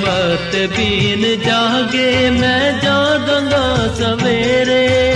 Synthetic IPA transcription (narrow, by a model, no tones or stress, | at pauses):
bət̪ebind͡ʒaːɡeːmɛ̃ːd͡ʒãːd̪ãːnd̪aːsəʋeːɾeː